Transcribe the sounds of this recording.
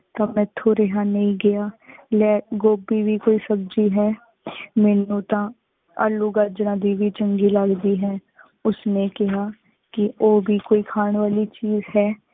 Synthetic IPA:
t̪aːmɛ̃ːt̪ʰːoːɾeɦaːnəĩːɡɪjaːlɛːɡoːbiːʋiːkoːiːsəbd͡ʒiːɦɛː | mɛːnũːt̪ãː | ə̰luːɡəd͡ʒɾãːd̪iːʋiːt͡ʃəŋɡiːlaɡd̪iːɦɛ̃ː | ʊsnẽːkɪɦaː | kɪoːbiːkoːiːkʰaːɳʋaːliːt͡ʃiːzɦɛː

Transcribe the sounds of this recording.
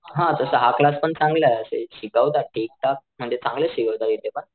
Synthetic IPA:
ɦãd͡zəsəɦaklaspəɳt͡sãŋɡləəsḛɕiɡəwt̪aʈek̚ʈak̚m̤əɳd͡zet͡sãŋɡləɕiɡəʋt̪aɾit̪ːepa

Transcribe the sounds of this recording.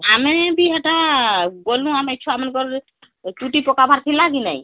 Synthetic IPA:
ɦamɛbʱiɦəʈabolːũamɛt͡ʃʰuamənkɔɾ | t͡ʃuʈipɔkabʱaɾt̪ʰilaɡina̰j

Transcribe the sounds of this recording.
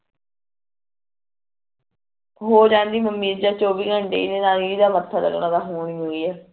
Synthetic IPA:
ɦoːd͡ʒãːnd̪iːməmːiːɾd͡ʒaːt͡ʃoːʋiːɡʱəɳɖeːiːneːnaːliːiːd̪aːmət̪ʰːaːlə̰ɡnãːd̪aːɦoːɳiːɦoːiːɛː

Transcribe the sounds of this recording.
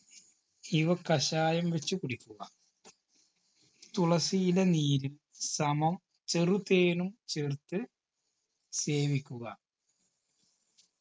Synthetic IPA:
iʋɐkɐɕaːjɐmʋet͡ɕːukuɽikʲːuɣɐ | t̪uɭɐsijilɐniːɾil | sɐmɐm | t͡ɕerut̪eːnumt͡ɕert̪ːɨ | se̞ːʋikʲːuɣɐ

